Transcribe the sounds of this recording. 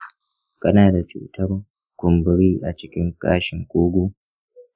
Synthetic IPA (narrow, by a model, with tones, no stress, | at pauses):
kʼɐ˦naː˨da˨t͡ʃṵː˨tʰɐ˦r | kʷʊ˨mbɪ˦ɾiː˦ʔa̰˨t͡ʃɪ˦kʲɪ˦ŋkʼa̰ː˦ʃɪ˨ŋkʷʼoː˦ɡʷuː˦